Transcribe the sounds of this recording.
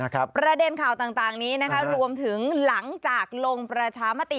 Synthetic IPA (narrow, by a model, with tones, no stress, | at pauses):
kʰpɾa˧de˧nkʰaː˨˩wt̪aː˨˩ŋt̪aː˨˩ŋniː˦˥na˦˥kʰa˦˥ɾu˧əmt̪ʰɯ˩˦ŋla˩˦ŋt͡ɕaː˨˩k̚lo˧ŋpɾa˧t͡ɕʰaː˧ma˦˥t̪i˨˩